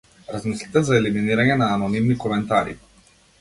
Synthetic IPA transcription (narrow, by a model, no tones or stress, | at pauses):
ɾazmislit̪ɛzaɛliminiɾaɲɛnaːnɔnimnikɔmɛnt̪aɾḭ